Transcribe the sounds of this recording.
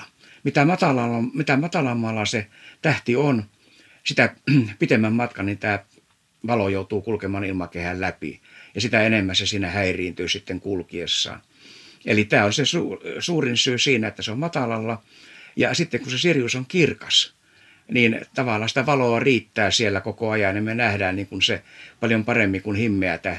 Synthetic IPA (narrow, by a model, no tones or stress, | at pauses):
mit̪æmɑt̪ɑlɑlːɑmit̪æmɑt̪ɑlɑmːɑːlːɑset̪æht̪ion | sit̪æpit̪emːæmmɑt̪kɑnint̪æː | ʋɑlojout̪uːkulkemɑːnilmɑkehællæpḭjɑsit̪æenemːæsesiːnæhæiriːnt̪yːsit̪ːeŋkulkiḛsːɑ̰ːn | ḛlit̪æːonsesuːsuːrinsyːsiːnæet̪ːæseommɑt̪ɑlɑlːɑ | jɑ̰sit̪ːeŋkunsesirjusoŋkirkɑs | niːnt̪ɑʋɑlːɑsi̥t̪æʋɑloɑriːt̪ːæːsielːækokoɑjɑnimmenæhdæːnniːŋkunsepɑljompɑremːiŋkunhimːeæt̪æh